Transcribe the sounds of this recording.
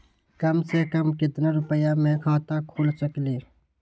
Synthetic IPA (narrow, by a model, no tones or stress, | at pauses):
kəmsekəmkɪt̪naɾʊpəjamẽkʰaːt̪akʰoːlt͡ʃəkliː